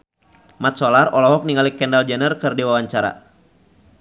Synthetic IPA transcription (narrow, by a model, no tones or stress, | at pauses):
mat̪̚sɔlarɔlɔɦɔk̚niŋalikɛndald͡ʒɛnərkɨrdiwawaɲt͡ʃaɾa̰